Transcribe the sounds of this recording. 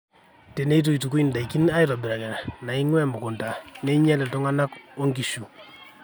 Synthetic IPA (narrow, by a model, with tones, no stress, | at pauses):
te˨ne˦i˦t̬u˦i˨tu˨ku˦i˨nda˨i˨ki˦na˦i˦ɾa˨bɪ˨ɾa˨kɛ˨ɾa˨na˨i˦ŋwɛ˦mbʊ˨kɔ˨nta˨ne˦i˦ɲa˦lɛ˨tɔ˦ŋa˦na˦kwo˦ŋki˨ʃu˨